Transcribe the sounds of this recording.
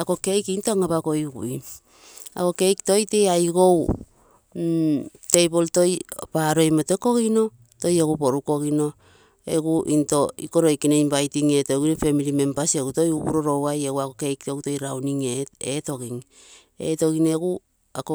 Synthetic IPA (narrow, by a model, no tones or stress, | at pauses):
ako̞ke̞jkintoaŋaβako̞iɡṵj | a̰ko̞ke̞jkto̞jte̞ajɡo̞w | te̞jbolto̞jpaɾo̞jmote̞ko̞ɡino̞ | to̞jeɡupo̞ɾuko̞ɡino̞ | ḛɡuʔinto̞ḭko̞ɾo̞jkinejmbajtiŋe̞toɡinope̞miɾime̞mpasieɡuto̞jupṵɾo̞ɾo̞wajeɡuakoke̞jkto̞ɡuto̞jɾawniŋeeto̞ɡiŋ | ḛto̞ɡineɡu | ako